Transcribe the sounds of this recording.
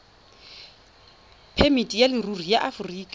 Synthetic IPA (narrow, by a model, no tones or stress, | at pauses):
pʰɛmitʼijalɪrur̤ijaʔafʊriːkʼa